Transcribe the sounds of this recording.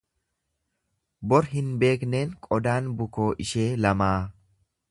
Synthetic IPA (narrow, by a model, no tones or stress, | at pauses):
bɔɾɦɪnbe̞ːkne̞ːŋkʼɔd̪aːnbʊko̞ːʔɪʃe̞ːlɐmaː